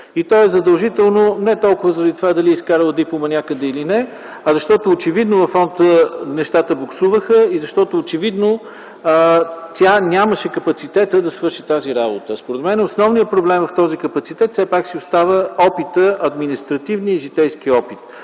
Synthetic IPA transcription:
it̪ɔɛzɐd̪əlˠʒit̪ɛlˠnonɛt̪ɔlˠkʊvəzəɾɐd̪it̪ovad̪ɐliiskaɾəlˠəd̪ipomɐnʲakəd̪ɛilinɛ | ɐzɐʃt̪ɔt̪oːt͡ʃɛvid̪novɐfːɔnt̪ənɛʃt̪at̪əboksuvəxəizɐʃt̪ɔt̪oːt͡ʃɛvid̪no | t̪ʲjanʲaməʃɛkəpɐt̪sit̪ɛt̪əd̪ɐsvɤɾʃit̪aziɾabot̪əspoɾɛd̪mɛnɛosnɔvnijəpɾoblɛmvɐft̪ɔzikəpɐt̪sit̪ɛt̪sɛpaksiost̪avəɔpit̪əʔɐd̪minist̪ɾɐt̪ivniiʒit̪ɛjsk̟iɔpit̪

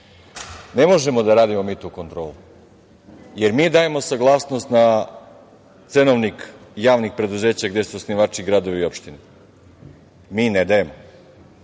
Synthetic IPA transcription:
ne̞mo̞ʒe̞mo̞d̪aɾaːd̪imo̞miːt̪uːko̞nt̪ɾoːlu | je̞ɾmiːd̪aːje̞mo̞saɡlˠaːsnost̪na | t̪senoʋnikjaːʋnixpɾe̞d̪uze̞ːt͡ɕaɡd̪e̞suosniʋaːt͡ʃiɡɾad̪o̞ʋiːo̞pʃt̪ine | miːned̪aje̞mo

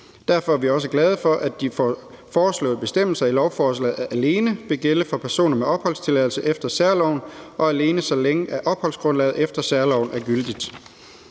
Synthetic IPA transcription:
d̥æɐfɒ̽æɐʋiɒ̽s̬əɡ̥lɛð̞ˠəfɒ̽ʔæd̥if | fɒːslɔ̰̽ːð̩ˠb̥e̝sd̥em̰l̩sɐilɒʊfɒːslɛ̰ːð̩ˠææle̝ːnəʋe̝ɡ̥eləfɒ̽pʰæɐso̝̰ːnɐmeɒ̽b̥hɒ̽l̰st͡sʰe̝lɛðˠl̩səʔefd̥ɐsæɐlɒʊnɒ̽æle̝ːnəsɒ̽leŋəʔæʔɒ̽b̥hɒ̽lsɡ̥ʁɔ̽nlɛ̰ːð̩ˠefd̥ɐsæɐlɒʊnʔæɐɡ̥yld̥id̥

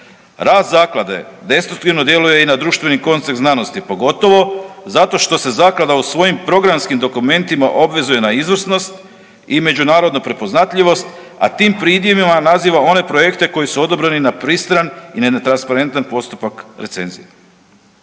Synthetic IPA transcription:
ɾaːszaːklˠad̪e̞̰d̪e̞st̪ɾuk̚t̪iʋno̞d̪je̞luje̞inad̪ɾuːʃt̪ʋe̞niko̞nt̪sek̪znano̞st̪ipo̞ɡo̞t̪o̞ʋo̞zat̪o̞ʃt̪o̞se̞zaːklad̪ausʋo̞jimpɾo̞ɡɾamskimd̪o̞kume̞nt̪imaʔo̞bʋe̞zujenaizʋrsno̞st̪ | ime̞d͡ʑunaːɾo̞d̪nopɾe̞po̞znat̪ʎʲiʋo̞st̪ | a̰t̪iːmpɾid̪jemimanaziːʋao̞ne̞pɾo̞jekt̪e̞ko̞jisuo̞d̪o̞bɾeninapɾist̪ɾanineet̪ɾanspaɾe̞nt̪anpo̞st̪u̥pakɾe̞t̪se̞nzḭje

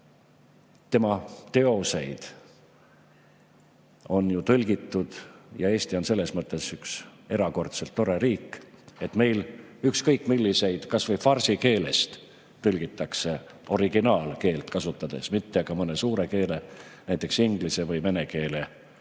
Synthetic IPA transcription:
t̪e̞mɑt̪e̞o̞se̞jd̪̥ | o̞njut̪ɤlʲɡit̪ːud̪̥jɑe̞ːst̪io̞nse̞lːe̞smɤt̪ːˑe̞sykse̞ɾɑko̞rt̪se̞lt̪ːo̞ɾe̞ɾiːkːˑe̞t̪me̞jlykskɤjkːˑmilːise̞jd̪̥kɑsvɤjfɑrsike̞ːle̞̰st̪ | t̪ːɤlʲɡ̥it̪ːˑɑkse̞ | o̞ɾiɡ̥inɑːlke̞ːlt̪kɑsut̪ːˑɑd̪̥e̞̰smit̪ːe̞ɡ̥ɑmɤne̞suːɾe̞ke̞ːlenæjt̪ːˑe̞ksiŋɡ̥lisevɤjme̞neke̞ːle

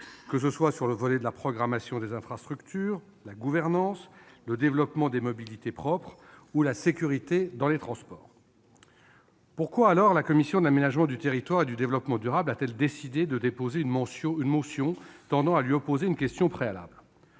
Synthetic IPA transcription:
kəs̬əswasyʁləvɔlɛd̪əlapχɔɡʁamasjɔ̃d̪ezɛ̃fχast̪χykt̪ʰyːʁ | laɡuvɛʁnɑ̃sləd̪evlɔpmɑ̃d̪emɔbilit̪epχɔpχ | ulasekʲyʁit̪ed̪ɑ̃let̪χɑ̃spɔ̰ːʁ | puʁkwaːlɔʁlakɔmisjɔ̃d̪əlamenaʒmɑ̃d̪yt̪eʁit̪waʁed̪yd̪evlɔpmɑ̃d̪yʁablat̪ɛld̪esid̪ed̪əd̪epozeynmɑ̃ynmõsjɔ̃t̪ɑ̃d̪ɑ̃alɥiɔpozeynkʲɛst̪jɔ̃pχeala̰bl

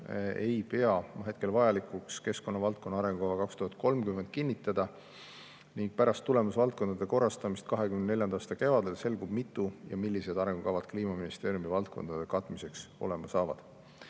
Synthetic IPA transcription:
ejpeɑmɑɦe̞t̪ke̞lvɑjɑlikˑukske̞sko̞nːɑvɑlt̪̚ko̞nːɑɑɾe̞ŋɡukɑvɑkɑkst̪uhɑd̪̚ko̞lmkymːend̪̚kinʲːit̪ːˑɑd̪̥ɑ | niŋɡ̥̚pæɾɑst̪ːule̞musvɑlt̪̚ko̞nd̪ɑd̪̥e̞ko̞rːɑst̪ɑmist̪̚kɑɦekymnne̞lʲjɑnd̪ɑːst̪ɑke̞vɑd̪e̞lse̞lɡub̥mit̪ːˑujɑ̰milːise̞d̪̥ɑɾe̞ŋɡ̥ukɑvɑd̪̥̚kliːmɑminist̪e̞ːɾjumivɑlt̪̚ko̞̰nd̪̥ɑd̪̥e̞kɑt̪ːˑmise̞kso̞̰le̞mɑsɑːvɑ̰d̪̥

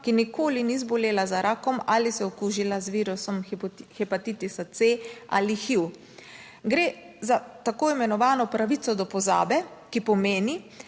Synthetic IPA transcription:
kinikoːlinizbɔleːlazaɾʔaːkɔmalisɛɔkuʒilazʋiːɾusɔmxɛpat̪it̪isat̪sea̰lixiw | ɡɾeː | zat̪akoːimɛnɔʋaːnɔpɾaʋit̪sɔd̪ɔpɔza̰ːbɛkipɔmeːni

